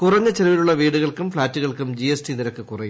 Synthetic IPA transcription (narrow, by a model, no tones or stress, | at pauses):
kʊrɐɲːɐt͡ɕeɾɐʋiluɭːɐʋiːɽɯɣɐɭkɯmfɭaːtːɯɣɐɭkɯmd͡ʑiesʈiniɾɐkːɨkʊrɐju